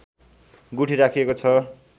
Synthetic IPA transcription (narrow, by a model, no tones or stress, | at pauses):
ɡuʈʰiɾakʰiekot͡sʰʌ